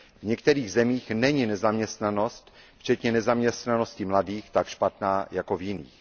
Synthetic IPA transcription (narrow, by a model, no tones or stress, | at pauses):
vɲɛkt̪ɛɾiːɣzɛmiːxnɛɲɪnɛzamɲɛst̪nano̞st̪ft͡ʃɛt̪ɲɛnɛzamɲɛst̪nano̞scɪmladiːxt̪akʃpat̪naːjakovjɪnḭːx